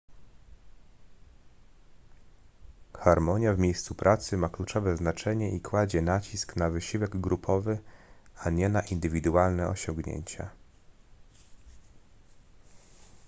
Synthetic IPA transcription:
xaɾmɔɲjavmʲejst̪supɾʔat̪sɘmaklut͡ʂɔvɛznat͡ʂɛɲɛʔikwad͡ʑɛnat͡ɕisknavɘɕiwɛɡɡɾupʰɔvɘaɲɛnaʔind̪ɘvʲid̪ualnɛɔ̰ɕɔŋɡɲḛɲt͡ɕa̰

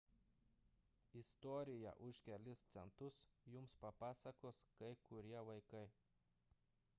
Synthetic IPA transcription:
ɪst̪ɔːɾʲɪjɛ̰ʔʊʃkʲɛlʲɪst̪sʲɛnt̪ʊsjʊmspɐpɑːsɐkoːskɐɪkʊɾʲiɛʋɐɪkɐɪ

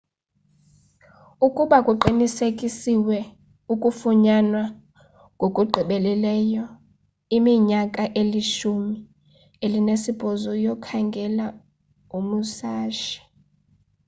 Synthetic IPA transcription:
ukʼuɓakʼuǃinisekʼisiwɛ | ukʼufuɲanwa | ŋɡʱokʼuɡ͡ǃʱiɓɛlɛlɛːjɔ | imiɲakʼaʔeliʃumi | elinesib̥ʱɔzɔjɔkʰaŋɡʱɛla | umusaːʃḁ

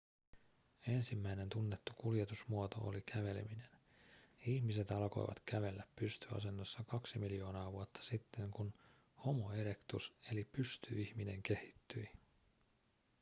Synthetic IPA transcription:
e̞nsimːæine̞nt̪unːe̞t̪ːukuljet̪usmuot̪o̞̰o̰likʰæʋe̞lemine̞n | içmise̞t̪ɑlko̞̰jʋɑ̰t̪kæʋe̞lːæpːyst̪yɑ̰s̬e̞nːɑsːɑkɑksimiljo̞ːnɑːʋuɑt̪ːɑ̥sit̪ʰːe̞ŋkun | ho̞mo̞e̞ɾe̞kt̪use̞lipyst̪yiçmine̞ŋke̞hi̥t̪ːyi

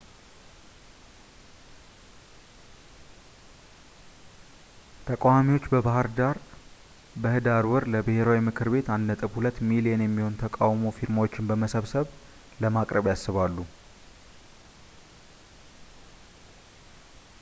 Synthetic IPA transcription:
t̪ʰəkʼawamiwo̞t͡ʃːbəβahɨɾd̪aɾ | bəhɨd̪aɾwɨɾləbɨhe̞ɾawimɨkʰɨɾbe̞t̪and̪nət̪ʼɨβhulət̪ːmilijenjɛmːiho̞nt̪ʰəkʼawmo̞fiɾmawo̞t͡ʃːɪnbəməsəβsəβ | ləmakʼɾəβjasːɨβalːu

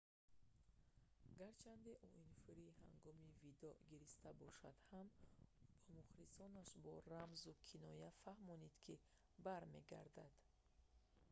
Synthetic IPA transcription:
ɡaɾt͡ʃʰand̪eʔuʔinfiɾiha̰ŋɡɔmivid̪ɔɡiɾist̪abɔʃad̪̥hambɔmuχɾisɔnaʃbɔɾamzukʰinɔjafahmɔnid̪kʰi | baɾme̞̰ɡa̰ɾd̪ad̪̥

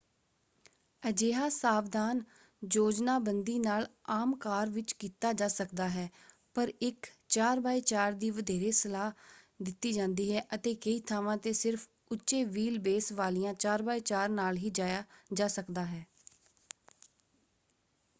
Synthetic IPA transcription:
əd͡ʒeːɦaːsaːʋd̪aːn | d͡ʒoːd͡ʒnaːbənd̪iːnaːlaːmkaːɾʋɪt͡ʃkiːt̪aːd͡ʒaːsəkd̪aːɦɛː | pəɾɪk | t͡ʃaːɾbaːiːt͡ʃaːɾd̪iːʋəd̪ʱeːɾeːsəlaː | d̪ɪt̪ːiːd͡ʒãːnd̪iːɦɛːʔət̪eːkəiːt̪ʰaːʋãːt̪eːsɪɾfʰ | ʊtːʃeːʋiːlbeːsʋaːlijãːt͡ʃaːɾbaːiːt͡ʃaːɾnaːlɦiːd͡ʒaːjaːd͡ʒaːsəkd̪aːɦɛː

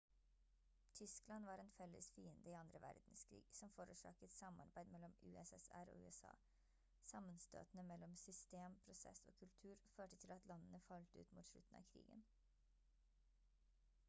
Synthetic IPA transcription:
t̪ʰʏsklɑnʋɑːɾɛːnfɛlːə̰sfiːənd̪əiːɑnd̪ɾəʋæ̰ɾd̪n̩skʰɾḭːɡ̥sɔmfoːɾʉːʂɑ̰ːkət̪sɑmɑɾbæɪd̪mɛlɔmʉ̰ːɛsɛsæ̰ɾo̰ːʉːɛsɑ̰ː | sɑmənst̪ø̰ːt̪n̩əmɛlːɔmsʏst̪eːmpʰɾʊsɛ̰so̰ːkʰʉlt̪ʰʉːɾføːʈət̪ʰɪlɑt̪lɑnənəfɑlt̪əʉ̰ːt̪muːt̪ʂɭʉt̪ːn̩ɑ̰ːkʰɾḭːɡə̰n

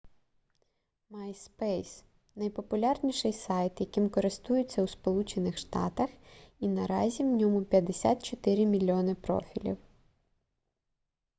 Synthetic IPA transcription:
majspɛjs | nɐjpɔpʊlʲɑrnʲiʃɪjsɑjt̪jɐkʲimkɔɾɪst̪ujɪt͡sʲːɐwspɔlˠut͡ʃenɪxʃt̪ɑ̰t̪ɐxinɐɾɑ̰zʲiwnʲɔmʊpʲjɐd̪esʲa̰t̪t͡ʃɔt̪ɪɾʲimʲilʲːiɔnɪpɾɔ̰fʲilʲḭw

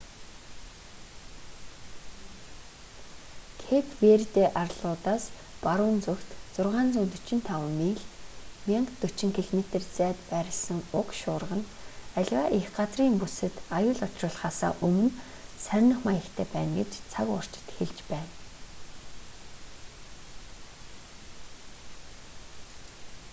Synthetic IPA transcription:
kʰepʰwert̪eːʔarɮʊːt̪aːs | paɾʊːnt͡sukt̪t͡sʊrʁaːnt͡sut̪ɵt͡ɕɪ̆nt̪ʰawəniːɮmʲiɔŋt̪t̪ːɵt͡ɕɪ̆ŋkʰiɮomet̪ĕrt͡sæːt̪pæɾʲɪ̆ɮsə̆ŋʊkʃʊːrʁə̆n | æɮʲwaʔexɢat͡sriːmpusɘ̆t̪ajʊːɮɔt͡ɕrəːɮχaːsa̰ːʔɵmɵ̆n | sæɾʲnə̆χmajə̆kt̪ʰæːpæːnɡḛt͡ɕt͡sʰakʊ̰r̥t͡ɕɪ̥̆t̪xeɮt͡ɕpæːn

